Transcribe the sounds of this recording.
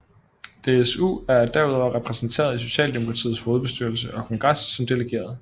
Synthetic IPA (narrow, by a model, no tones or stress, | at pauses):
d̥e̝esṵæɐd̥æɐuð̞ˠɒ̰ɐʁɛpʰʁɛsn̩t͡sʰe̝̰ːɐð̞ˠis̬o̝ɕɛ̰ːld̥emo̝kʰʁɑ̈t͡sʰḭːð̩ˠsho̝ːð̞̩ˠb̥e̝sd̥yɐl̩səʔɒ̽kʰɒ̽ŋɡ̥ʁɑ̈sːɒ̽md̥e̝leɡ̥e̝̰ːɐð̞ˠ